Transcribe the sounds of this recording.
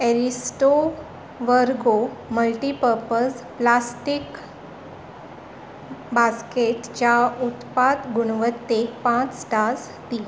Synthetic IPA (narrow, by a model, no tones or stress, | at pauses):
eɾisʈo | ʋəɾɡoməlʈipəɾpəs | plasʈik | baskeʈt͡ɕaut̪pad̪ɡuɽ̃ʋət̪ːekpãt͡ssʈas | t̪i